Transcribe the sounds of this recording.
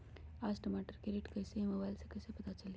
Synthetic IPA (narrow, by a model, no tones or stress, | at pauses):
asʈəmaʈəɾkeɾeʈkəɦseməbajlsekəjsepɐt̪at͡ʃəlj